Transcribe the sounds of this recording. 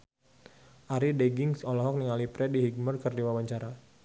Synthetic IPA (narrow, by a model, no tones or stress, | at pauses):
ʔaɾideɡɪŋsɔlɔɦɔk̚niŋalipɾɛdiɦiɡ̚mərkərdiwawaɲt͡ʃaɾa